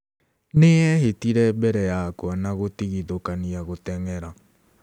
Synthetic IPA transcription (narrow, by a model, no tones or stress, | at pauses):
neɛɦetiɾɛbɛɾɛjakwanaɣotiɣiðokaniaɣotɛŋɛɾa